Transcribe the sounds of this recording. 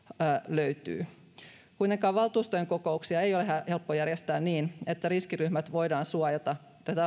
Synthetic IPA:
løyt̪y̰ː | kujnekɑːʋɑlt̪uːst̪ojeŋko̞ko̞uksiɑe̞jo̞leɦæhe̞lpːojærjest̪æːnniːne̞t̪ːæɾiskiryhmæt̪ʋo̞jdɑːnsuɑjɑt̪ɑ | t̪æt̪æ

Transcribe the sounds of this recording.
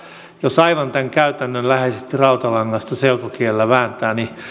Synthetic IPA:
josɑiʋɑnt̪æŋkæyt̪ænːønlæheisest̪irɑut̪ɑlɑŋːɑst̪æselpokielːæʋæːnt̪æːni

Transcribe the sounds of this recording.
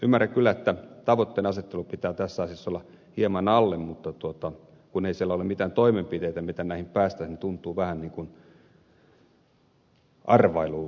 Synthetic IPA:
ymːærækkylːæet̪ːæt̪ɑʋot̪ːeːnɑset̪ːelupit̪æːt̪æsːɑˑːsisːolːɑ | hiemɑnɑlːemmut̪ːɑt̪uot̪ɑ | kuneisielːæolemit̪æːnt̪oimempit̪eit̪æmit̪ænnæihimpæːst̪æinit̪unt̪ˑuːʋæhænniːŋkun | ʔɑrʋɑiluː

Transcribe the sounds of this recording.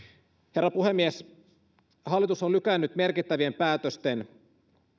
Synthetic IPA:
he̞rːɑpuhe̞mːies | hɑlːˑit̪usolyk̟ænːyt̪me̞rkit̪ːæʋiempæːt̪øst̪e̞n

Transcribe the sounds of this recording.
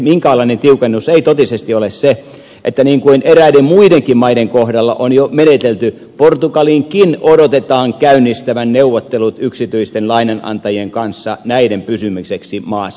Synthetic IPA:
miŋkæɑlˑɑinent̪iukenːuseit̪ot̪isest̪iolesse | ʔet̪ːæniːŋkuinʔeræidemmuideŋkimmɑideŋkohdɑlːɑ̰ʔonjomenet̪elt̪y | port̪ukɑliŋkinodot̪et̪ɑːŋkæynːist̪æʋænneuʋot̪ːelut̪yksit̪yist̪enlɑinɑnɑ̰nt̪ɑjieŋkɑnsːɑnæidempysymykseksimɑːs

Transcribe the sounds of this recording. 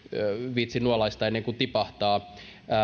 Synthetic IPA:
ʋit̪sinuolɑist̪ɑenːeŋkut̪ipɑht̪ɑː

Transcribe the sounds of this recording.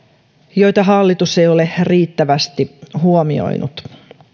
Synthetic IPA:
jo̞jt̪ɑɦɑlːit̪usejo̞le̞riːt̪ːæʋæst̪ihuomio̞̰jnṵt̪

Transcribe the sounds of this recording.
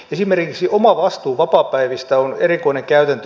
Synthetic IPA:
esimerkiksiʔomɑʋɑst̪uːʋɑpɑːpæiʋist̪æonerikoineŋkæyt̪ænt̪ø

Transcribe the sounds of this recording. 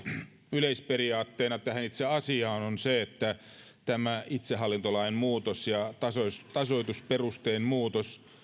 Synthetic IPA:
yleisperiɑːt̪ːeːnɑt̪æhænit̪seɑsiɑːnonseet̪ːæ | t̪æmæit̪seɦɑlːint̪olɑimmuːt̪osjɑt̪ɑsost̪ɑsoit̪usperust̪eːnmuːt̪os

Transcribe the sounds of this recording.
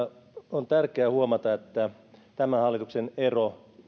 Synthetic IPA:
ont̪ærkeæːhuomɑt̪ɑet̪ːæ | t̪æmæhɑlːit̪uksenero

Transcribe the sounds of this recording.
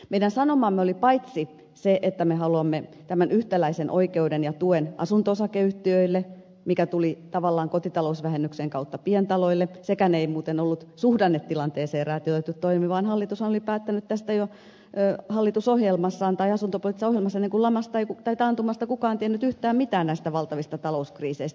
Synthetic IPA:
meidɾænsɑnomɑmːeolipɑit̪si | seʔet̪ːæmehɑluɑmːet̪æmænyht̪ælæisenʔo̰ikeudenjɑt̪uenʔɑ̰sunt̪oosɑkeyht̪ːiøilːe | mikæt̪ulit̪ɑʋɑlːɑːŋkot̪it̪ɑlousʋæhenːykseŋkɑut̪ːɑpiɛnt̪ɑloilːesekæneimuːt̪enolːut̪suhdɑnːet̪t̪ilɑnt̪eːseːrɑːt̪iot̪æt̪ːyt̪t̪oimimiʋɑːnhɑlːit̪ushɑnolipæːt̪ːænyt̪t̪æst̪æjo | øhɑlːit̪usohjelmɑsːɑːnt̪ɑiɑsunt̪opolit̪ːˑisɑoɦjelmɑsːɑenːeŋkulɑmɑst̪ɑeikut̪ɑit̪ɑnt̪umɑst̪ɑkukɑːnt̪ienːyt̪yht̪æːmmit̪æːnnæist̪æʋɑlt̪ɑʋist̪ɑt̪ɑlouskriːseist̪

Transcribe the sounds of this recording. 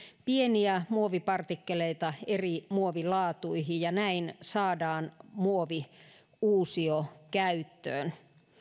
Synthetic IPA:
pieniæmuoʋipɑrt̪ikːeleit̪ɑerimuoʋilɑːt̪uihijjɑnæinsɑːdɑːnmuoʋi | uːsiokæyt̪ːø̰ːn

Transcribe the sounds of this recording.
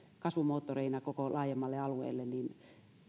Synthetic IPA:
kɑsʋumoːt̪ːoreinɑkokolɑːjemːɑlːeɑluḛːlːenniːn

